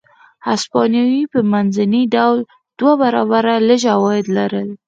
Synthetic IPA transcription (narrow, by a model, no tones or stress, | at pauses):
haspɑnjɑwipəmanzaniɖawl | d̪̥wabaɾɑbaɾaləʒawɑjɪd̪laɾəl